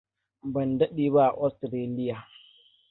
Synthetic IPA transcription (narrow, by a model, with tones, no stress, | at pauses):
bɐ˨ndɐ˦ɗiː˨ba˦ʔa˨ʔɔ˦stɾeː˦lɪ˦ja˨